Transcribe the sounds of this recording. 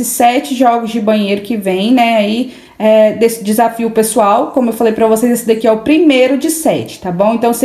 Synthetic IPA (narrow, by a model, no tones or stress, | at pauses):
ɪsɛt͡ʃɪʒɔɡʊzd͡ʒɪbɐ̃ɲ̃ejɾʊkɪvẽj̃nɛai | ɛd̪esɪd͡ʒɪzafiʊpesuawkõmʊewfalejpɾɐvosejzd̪esɪd̪akiɛʊpɾimejɾʊd͡ʒɪsɛt͡ʃɪ̥t̪abõw̃ẽnt̪ɐ̃w̃se